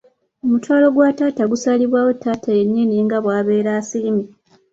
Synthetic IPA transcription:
o̞mutwaːlo̞ɡwataːtaɡusaliβwaːwo̞tːaːtʰajenːiniːŋɡaβwaːβe̞ːɾaːsilimi

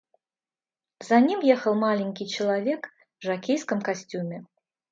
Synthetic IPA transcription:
zanʲimjɛxɐlˠmalʲinʲkʲit͡ʃɪlˠavʲɛk | vʐakʲejskɐmkasʲt͡sʲumʲɛ

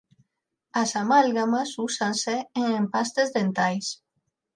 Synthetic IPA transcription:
asamalɣamasusanseeŋempast̪ezðent̪ajs

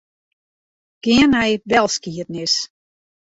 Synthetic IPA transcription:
ɡ̥ɪənɛjbɛlˠskiətnɪs

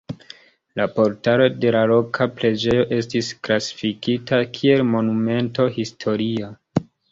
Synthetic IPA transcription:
lapo̞ɾtaɾo̞de̞lalo̞kʰapɾe̞d͡ʒe̞jo̞ʔe̞stisklasi̥fikitʰakʰie̞lmo̞nume̞nto̞histʰo̞ɾia

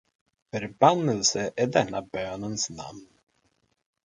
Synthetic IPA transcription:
fœɾbanːəlsəʔæɖɛnːabøːnənsna̰mn

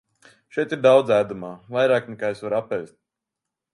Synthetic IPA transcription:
ʃɛjt̪iɾd̪awd̪zæːd̪umaːvajɾaːknɛkaːesvaɾapɛjst̪̚

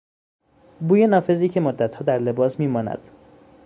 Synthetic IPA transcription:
buːjenɒːfe̞ziːcʰe̞mod̪ːæt̪hɒːd̪æɾle̞bɒːsmiːmɒːnæ̰d̪̥

